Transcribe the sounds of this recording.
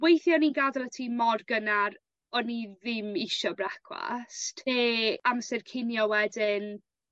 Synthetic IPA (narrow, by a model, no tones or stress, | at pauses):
wejθjɔninɡadalˠatʰiːmɔrɡənaɾ | ɔniðɪmɪʃɔbrakʰwa̰stʰeːamsɛrkʰɪnjɔwɛdɪn